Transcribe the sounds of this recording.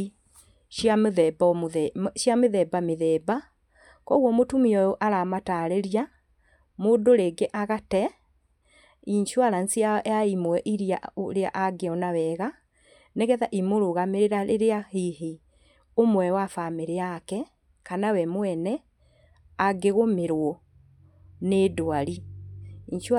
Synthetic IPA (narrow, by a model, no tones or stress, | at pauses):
amðɛbaʃjameðɛbameðɛːba | kɔɣwɔmotumiɔjɔʔaɾamataɾeɾia | modoɾeɡeʔaɣatɛ | iɲʃwaɾansiajaimoɛʔiɾia̰ɾea̰ʔaɡeɔnawɛɣa | neɣɛðaʔimoɾoɣameɾeɾaɾeɾeaheɦe | omwɛwafameɾeakɛ | kanawɛmwɛnɛ | aɡeɣomeɾwɔ | neːdoaɾiiɲʃ